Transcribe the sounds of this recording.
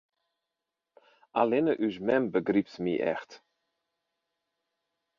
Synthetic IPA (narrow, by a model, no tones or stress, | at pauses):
ʔalɪnəʔyʃmɛmbəɡripsmḭʔɛ̰xt